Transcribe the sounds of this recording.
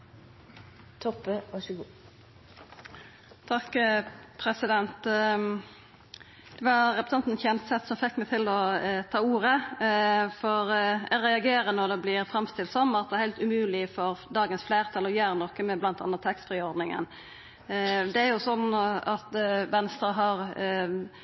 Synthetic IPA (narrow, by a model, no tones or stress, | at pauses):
t̪ʰɔpːəɑʂɡuː | t̪ʰɑkːpʰɾɛsɪd̪ɛnt̪ | d̪̥ɛʋɑɾɛpɾəsɑnt̪nçɛnst̪sɛt̪sɔmfɛkːmæɪt̪ʰɪlɔt̪ʰɑːuːɾə | fɔɾɛɾɛɑɡeːɾəɾnɔʁd̪ɛblɪʁfɾɛmst̪ɪlt̪sɔmɑt̪̚d̪ɛæɾhæɪt̪ʉmʉːlɪfɔɾd̪ɑːɡənsfleːʁt̪ʰɑlːɔjøːɾənɔkːəmɛblɑnt̪ɑ̰nːət̪ʰɛkst̪fʁɪɔʁd̪nɪŋə̰n | d̪ɛæɾjʊsɔnːɑt̪ʋɛnst̪ɾəɦɑʁ